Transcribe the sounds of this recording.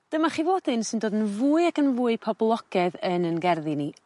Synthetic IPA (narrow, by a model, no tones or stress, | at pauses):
d̥əmaχivoːdɪnsɪndoːdənvuːɨakʰənvuːɨpʰɔblˠɔɡ̥ɛðənənɡɛrðini